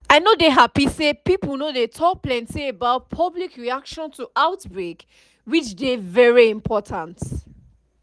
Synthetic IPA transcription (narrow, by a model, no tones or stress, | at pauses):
aɪnodeɦapisepipəl̩ˠnodetʰɔk̚plɛ̃ntiebaʊt̚pʰʌblikɹiakʃɔ̃ntʰuaʊtbɹek | wit͡ʃdevɛɹiĩmpʰɔtʰãnt